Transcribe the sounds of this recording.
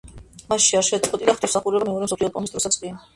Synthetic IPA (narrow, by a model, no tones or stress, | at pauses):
masʃiaɾʃɛt̪sʼqʼɔt̪ʼid̪aχt̪ʰʼɔmsaχuɾɛbamɛɔɾɛmsɔpʰliɔpʼɔnist̪ɾɔsat̪skʼi